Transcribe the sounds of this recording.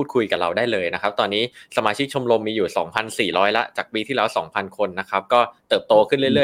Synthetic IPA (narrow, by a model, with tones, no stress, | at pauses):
uː˥˩kʰu˧jka˨˩ɾa̰˧wdaː˥˩jlɤː˧jna˦˥kʰa˦˥p̚t̪ɔː˧nːiː˦˥sa˧maː˧t͡ɕʰi˦˥k̚t͡ɕʰo˧mɾo˧mːiː˧juː˨˩sɔ̰ː˩˦ŋpʰa˧nsiː˨˩ɾɔː˦˥jla˦˥t͡ɕaː˨˩k̚piː˧t̪ʰiː˥˩ɛː˦˥wsɔ̰ː˩˦ŋpʰa˧nkʰo˧nːa˦˥kʰa˦˥p̚kɔː˥˩t̪ɤː˨˩p̚t̪oː˧kʰɯ˥˩nlɯ˥˩jɾɯ˥˩ə˨